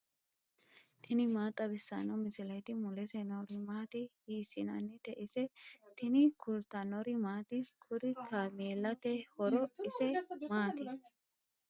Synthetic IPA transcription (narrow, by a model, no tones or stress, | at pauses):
t̪ʰɪnɪmaːt̪ʼːɐbɪsːɐnɔmɪsɪlɐjt̪ɪmʊlɛsɛnɔɾɪmaːt̪ɪhiːsɪnɐnːɛt̪ɛʔɪsɛt̪ɪnɪkʰʊlt̪ɐnɔɾɪmaːt̪ɪkʰʊɾɪt̪ʰameːlːɐt̪ɛhɔɾɔɪsɛmaːt̪ɪ